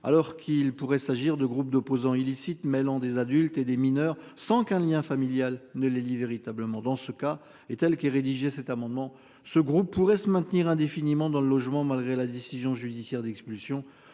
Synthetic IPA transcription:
a̰lɔʁkʰilpuʁɛsaʒiʁd̪əɡʁup̚d̪ɔpozɑ̃ilisit̪mɛlɑ̃d̪ezad̪ylt̪ed̪eminœʁsɑ̃kɛ̃ljɛ̃familjalnəleliveʁit̪abləmɑ̃d̪ɑ̃səka | et̪ɛlkɛʁed̪iʒɛsɛt̪amɑ̃d̪mɑ̃ | səɡʁupːuʁɛsəmɛ̃t̪niʁɛ̃d̪efinimɑ̃d̪ɑ̃ləlɔʒmɑ̃malɡʁelad̪esizjɔ̃ʒyd̪isjɛʁd̪ɛkspylsjɔ̃

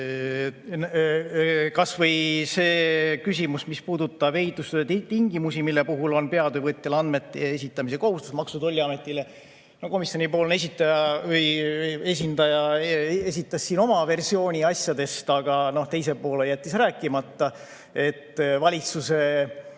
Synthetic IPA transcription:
kɑsvɤjse̞ːkysʲimusmispuːd̪ut̪ːˑɑbe̞jt̪ːˑust̪et̪t̪iŋɡimusimilːe̞puɦulo̞npe̞ɑd̪øvɤt̪ʲːˑelɑnd̪met̪ˑːees̬ʲit̪ːˑɑmis̬e̞ko̞ɦust̪usmɑksut̪o̞lʲːiɑmet̪ːˑile̞ | noko̞misjo̞nʲipo̞ːlnes̬ʲit̪ːˑɑjɑvɤje̞s̬ʲind̪ɑjɑe̞sʲit̪ːˑɑsːiːno̞mɑve̞rsio̞ːnʲiɑsjɑd̪e̞st̪ɑɡ̥ɑno̞ht̪e̞jsepo̞ːle̞jæt̪ʲːˑisræːkːˑimɑt̪ːɑ | e̞t̪ːvɑlʲit̪suse̞

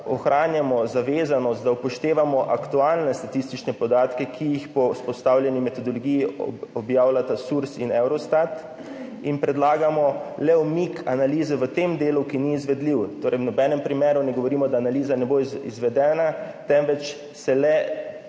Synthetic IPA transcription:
ɔxɾaːnjamɔzaʋeːzanɔst̪̚d̪awpɔʃt̪eːʋamɔʔakt̪ualnɛst̪at̪ist̪it͡ʃnɛpɔd̪aːt̪kɛkʰijixpɔspɔst̪awlʲjɛnimɛt̪ɔd̪ɔlɔɡijiɔbjaːwlat̪asuɾsinɛwɾɔst̪at̪ | inpɾɛd̪laːɡamɔlɛɔmikʰanaliːzɛʋət̪eːmd̪eːlukiniːzʋɛd̪liwt̪oːɾɛjwnɔbɛːnɛmpɾimeːɾunɛɡɔʋɔɾiːmɔd̪aːnaliːzanɛboḭzʋɛd̪ɛːnat̪ɛmʋɛt͡ʃ | sɛlɛ

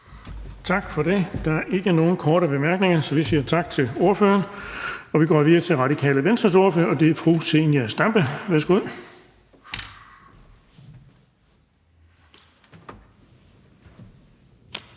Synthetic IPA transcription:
t͡sʰɑ̈ɡ̥fɒ̽d̥e̝d̥ɑ̈æɐʔe̝ɡ̥əno̝ːn̩kʰɒːɾəb̥e̝mæɐɡ̥ne̝ŋɐsɒ̽ʋisiːɐt͡sʰɑ̈ɡ̥t͡sʰe̝lo̝ɐfø̰ːɐnɒ̽ʋiɡ̥ɒ̰ːʋiðˠɐt͡sʰe̝lʁɑ̈ɾ̥ikʰɛ̰ːləʋensd̥ʁɐso̝ɐføːɐɒ̽d̥e̝æfʁusenjæsd̥æmb̥əʋæɐsɡ̥uð̰ˠ

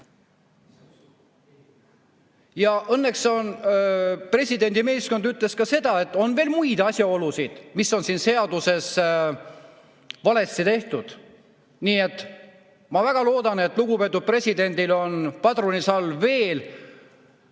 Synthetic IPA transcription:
jɑʔɤnːe̞kso̞n | pre̞sʲid̪̥e̞nʲd̪ime̞ːsko̞nd̪yt̪ːˑle̞skɑse̞d̪ɑe̞t̪ːˑo̞nve̞ːlmujd̪̥ɑsʲjɑo̞lusid̪̥misːo̞nsiːnse̞ɑd̪use̞s | vɑle̞sit̪e̞ht̪ud̪̥ | niːe̞t̪ːˑ | mɑvæɡ̥ɑlo̞ːd̪̥ɑne̞t̪ːˑluɡ̥upe̞ːt̪ːˑud̪̥̚pre̞sʲid̪e̞nʲd̪ilo̞npɑt̪ronisɑlːve̞ːl

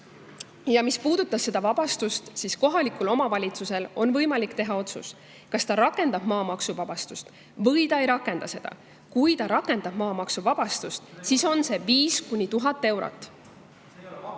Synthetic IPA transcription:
jɑmispuːd̪̥ut̪ːˑɑsse̞d̪̥ɑvɑb̥ɑst̪ust̪sisko̞ɦɑlikulo̞mɑvɑlʲit̪suse̞lo̞nvɤ̞jmɑlikt̪e̞ɦɑo̞t̪sṵs | kɑst̪ɑɾɑke̞nd̪ɑb̥mɑːmɑksuvɑb̥ɑst̪ust̪ | vɤ̞jt̪ɑejɾɑkːˑe̞nd̪̥ɑse̞d̪ɑ̰ | kujt̪ɑɾɑkːˑe̞nd̪̥ɑb̥mɑːmɑksuvɑb̥ɑst̪ust̪siso̞nse̞viːskunʲːit̪uɦɑt̪ˑːe̞wɾo̰t̪ːˑ

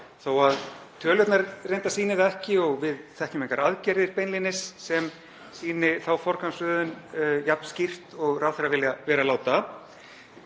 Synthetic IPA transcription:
θawaðt̪ʰœːljœwt̪naɾrejnt̪asiːnɪðɛhcɪɔɣvɪðθɛhcʏmeŋkaɾaðcɛɾðɪɾpejnlinɪsːɛm | siːnɪθawfɔr̥kʰansʏːðʏnjapn̥scir̥t̪ɔɣrawθeɾavɪljavɛːɾalaːwt̪a

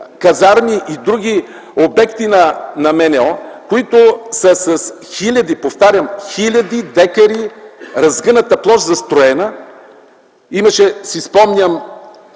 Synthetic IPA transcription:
kɐzaɾmiʔid̪ɾuɡ̟ʲi | obɛkt̪inɐnɐmɛnɛɔkoit̪ʊsɐsɐs | xilʲɐd̪ipoft̪aɾʲɐmxilʲɐd̪id̪ɛkɐɾiɾɐzɡənət̪əplˠɔʃzɐst̪ɾoɛnə | imɐʃɛsispɔmnʲəm

